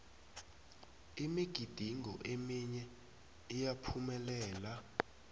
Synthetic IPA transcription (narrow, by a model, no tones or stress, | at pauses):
imiɡ̥ʱid̥ʱiŋɔ̰ʔemiɲɛ | ijapʰumɛlɛːla